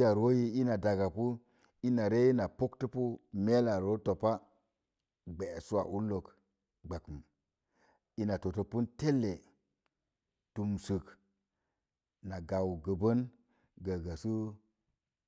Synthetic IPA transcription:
ja˨ɾo˦ji˦i˦na˨da˨ɡa˨pu˦ | i˦na˨ɾe˦ji˦na˨po˦ktə˦pu˦me˦la˨ɾo˦to˨pa˦ | ɡ͡be˨su˦a̰˨ʔu˦lo˨k | ɡ͡ba˨kə˨m | i˦na˨to˨to˨pu˦nte˦lːe˨ | tu˨msɨ˨k | na˨ɡa˨wɡə˨bə˦n | ɡə˨ɡa˨su˦

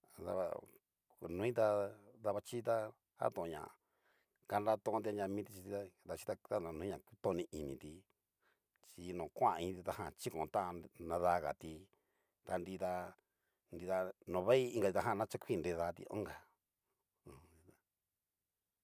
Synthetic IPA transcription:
ða̰˧βa̰˧ | ku˧nũ˧˦ĩ˦t̪a˧ða˧βa˧t͡ʃi˦t̪a˦ | ha̰˦t̪õ˧˨˧ɲã̰˨ | ka˧nɾa˧˦t̪õ˧nd̪i˧a˧ɲã˧mĩ˦t̪i˧t͡ʃi˧i˧˦d̪a˧t͡ʃi̥˦t̪a˧a˦a˧nũ˧ĩ˦ã˨ki˦t̪õ˦˧nĩ˧ʔi˧nĩ˨t̪i˧ | t͡ʃi˧nõ˨kʷã˦˨˧ĩ˧t̪i˧t̪a˧hã˧˨t͡ʃi˦kõ˨˧˨t̪a˦˧nnã˧ða˧ɣa̰˨t̪i˧ | t̪a˧nd̪i˧t̪a˧ | nd̪i˧ða˧nõ˨βe˦i˦˧ŋ˧ɡa˧i˧t̪a˧ɦã˦˧nã˦t͡ʃa˦kʷi˦˧nɾe˧ða˧˦˧t̪ḭ˧õ̰˦ŋɡa˨˧ | i˧a˧

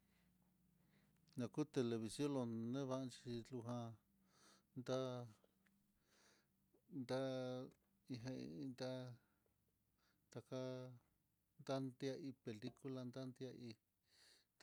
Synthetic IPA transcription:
nã˨ku˦t̪e˧le˧βi˨sjõ˦lo˧nẽ˦βa˦˧t͡ʃi˧lu˧ɦã˧ | nd̪a˦ | nd̪a˦ | i˧ɦã˧ḭ˧nd̪a˦ | t̪a˧ka˦ | nd̪a˦nd̪ja˧ʔi˧pe˨li˦ku˦la˧nd̪a˦nd̪ja˧ʔi˧

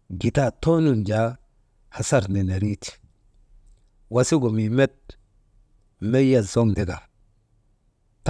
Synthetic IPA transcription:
ɡi˨ta˦˨to˦nu˦nd͡ʒa˨˦ | ha˨sa˦˨ɾne˨ne˨ɾi˦ti̥˨ | wa˨si˦ɡo˨mi˨me˦t̚ | me˦ja˨zo˦ŋde˨ɡa˨ | t

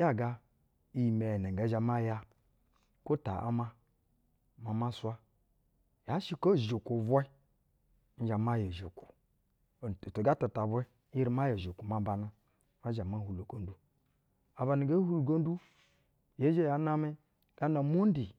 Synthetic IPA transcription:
ja˦ɡa˦ | i˨me˨ne˨ɡa˨˦ʒa˨ma˦ja˦ | ko˦ta̰˨ʔa̰˦ma˦ | ma˨ma˦swa˦ | ja˨˦ʃi˦ko˦˨ʒo˨ko˨vʷe˦ | n̩˦d͡ʒa˨ma˦je˨ʒo̰˨ku̥˨ | to˨ɡa˦ta˨ta˨bwe˦i˦ɾi˨ma˦je˨ʒo˨ku˨ma˨ba˨na˦ | ma˦ʒa˨ma˦hu˨lo˨ɡo˦n˦du˦ | a˨ba˨ni˨ɡa˦hu˦lu˨ɡo˦n˦du˦ | je˨˦d͡ʒe˦ja˨˦na˦mi˦ | ɡ̥a˦na˨mo˦n˦di˨

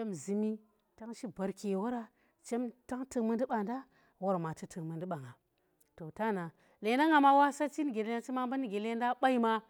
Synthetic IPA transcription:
t͡ʃe˦mzi˨mi˦ | ta˦ŋʃi˦ba˨ɾke˨wo˦ɾa˦ | t͡ʃe˦mta˦ŋtɨ˨mə˦n˦di˦ɓa˨nda˦ | wo˦ɾma˨ti˦tɨ˨kmə˨ndi˦ɓa˨ŋa˨ | to˨ta˦na˨ | le˨nda˦ŋa˨ma˦wa˦sa˦t͡ʃi˦ni˨ɡʲe˨le˦na˦t͡ʃi˦ma˦mba˦ni˦ɡʲe˨le˦nda˦ɓa˦i˦ma˦

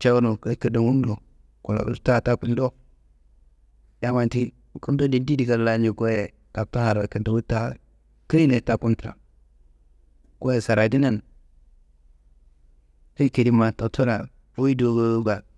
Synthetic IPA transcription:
t͡ʃa˦wu˦nu˨ka˦kə˨da˨wu˦n˦do˨ | ku˨la̰˨kta˦˨ta˦ku˦ldo˦ | ja˦ma˨nti˦˨ | ku˦n˦do˦di˨n˦di˦di˨ka˨la˨˦ɲd͡ʒi˨ko˦je˨ | ka˨ta˦ha˨ɾa˨kə˨nto˨wi˦ta˦˨ | ki˦i˦ne˨ta˨ku˦ntɾa̰˨ | ko˦je˨sa˨ɾa˨di˦na˦n | ke˦ke˨di˦ma˨ta˨tʰu˦ɾa˨ | o˦wi˦do˨ɡo˦ɡa˨

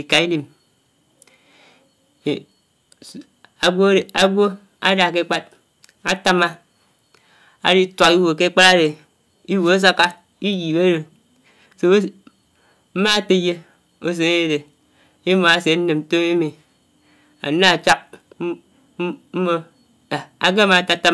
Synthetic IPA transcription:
i˨ka˨i˦li˨m˨ | a˨ɡʷo˦˨a˨ɡʷo˦ | a˦da˨k̬e˦k͡pa˦t̚ | a˦ta˦ma˦ | a̰˨di˦twa˨ki˦wo˨ke˦k͡pa˦ɾa˦de˨ | i˦wo˨a˦s̬a˦ka˦ | i˦ji˨be˦ɾo˨ | so˦ | m̩˦ma˦˨te˨je˦ | o˦s̬e˨ŋe˦de˨ | i˦mo˨a˦se˨˦n̩˦ne˨m̩˦to˦ŋe˦mi˨ | a̰˨na˦a˨t͡ʃa˦k̚ | m̩˦mo˦˨ | a˨ɡe˦ma˨ta˦ta˦

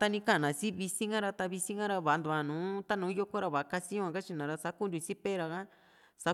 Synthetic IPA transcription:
t̪a˧nĩ˧kã˦˨nã˨si˦βi˧si˦ŋɡã˦ɾa˧t̪a˧βi˧si˦ŋɡã˦ɾa˧βa˨˧nd̪u˨a˧˨nũː˨˦t̪a˦nũː˨˦jo˦kʷo˦ɾa˧βa˨˧ka˧sĩ˦ã˧ka˦t͡ʃi˧nã˨ɾa˧sa˦ku˦ndʲu˧si˦pe˦ɾa˧kã˦ | sa˧˦

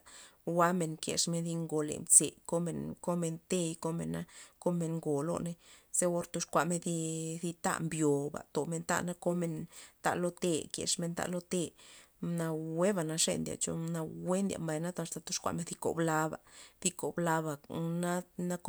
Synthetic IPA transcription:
wa˦me˨ŋkjḛ˨ʂme˧nθi˧ŋɡo˨lḛ˨mt͡se˨ko˦me˨ŋko˦me˧nt̪e˦jko˦mḛ˨na˦ko˦me˧ŋŋɡo˨lo̰˦ne˧˦z̥e˦o˦ɾt̪o˧ʂkʷa˧me˧ni˧θi˧t̪a̰˦ʔmbjo˨ba̰˨t̪o˨me˧nt̪a̰˧ʔna˦ko˦me˧nt̪a̰˧˨lo˦t̪e˧kjḛ˨ʂme˧nt̪a̰˧ʔlo˦t̪e˦˧na˧we˦ba˨na˧ʂḛ˦˧nd̪ja̰˨t͡ʃo̰˧na˧we˦nd̪ja̰˨mba˨jna˦t̪st̪a˧t̪o˧˦ʂkʷa̰˧me˧nθi˧ko̰˨bla˧ba̰˨θi˧ko˨bla˧ba˨na˦na˦k

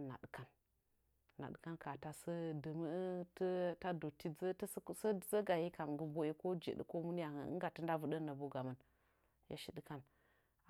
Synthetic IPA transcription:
na̰˨dka˨n | na̰˨ɗɨ˨ka˦nka˨ta˨sə˦də˨mə˦tə˦ta˦do˨ti˦zə˦tsə˦zə˦ɡa˨ji˦ka˨m˨ɡə˦bo˦je˦ko˦d͡ʒḛ˨ɗə̰˨ko˦mu˦n˦ja˨hə̰˨˦ɡa˨tə˦n˦da˦vu˦ɗə˦nːə˨bo˦ɡa˨mə˦˨n | ja̰˦ʃi˨ɗə˦ka˦n

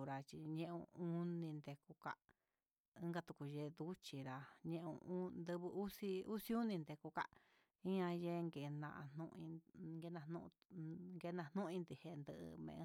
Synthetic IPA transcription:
ɾa˧t͡ʃi˧ɲẽ˦ʔõ̰˧u˦nĩ˧nd̪e˧ku˧ka˦ʔ | ɨ̃˦ŋɡa˧t̪u˧ku˧je˧d̪u˦t͡ʃi˧ɾa˧ɲẽ˧ʔõ̰˧˦nd̪ɨ˧βɨ˧u˦si˧u˦si˦u˦nĩ˧nd̪e˧ku˧ka˦ʔ | ĩ˦ã˧je˦˧ŋɡe˨˧nã̰˧ʔa̰˧nũ˧ʔĩ˧ŋɡe˧nã˧nṵ̃˦˧ʔŋɡe˧nã˧nũ˦ʔĩ˧nd̪i˧˨he˧nd̪ɨ˧ʔɨ̰˧mḛ̃˧ʔ

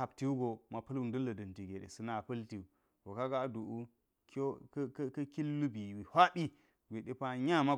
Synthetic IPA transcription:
a˨bti˦u˦ɡo˨ma˨pɐ˦lwu˦ndɐ˦lːɐ˨dɐ˨nti˨ɡʲe˨ɗḛ˨sɨ˦na˦˨pɐ˦lti˨u˨ | wo˨ka˦ɡa˦du˨ʔu˦ | ko˦kkkɐ˦ki˦lːu˦bi˨wi˨hʷa˦bi˦ | ɡʷe˨ɗe˦pa˦ɲa˦˨ma˦

